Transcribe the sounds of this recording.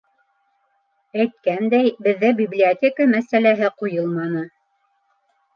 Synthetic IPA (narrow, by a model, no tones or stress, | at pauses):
æjt̪̚kænd̪æjbɘ̆ðːɘbʲiblʲiot̪ʲekəmæsælæɦɘqujɤlˠmɑnɤ